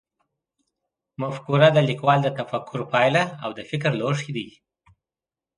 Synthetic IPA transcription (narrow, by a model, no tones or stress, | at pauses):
mafkuɾad̪əlikwɑld̪ət̪afakʰːʊɾpɑjlaawd̪əfɪkɾloʂid̪i